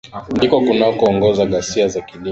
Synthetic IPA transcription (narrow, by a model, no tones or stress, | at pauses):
ndikɔkunaɔkuɔŋɡɔzaɠasiazakili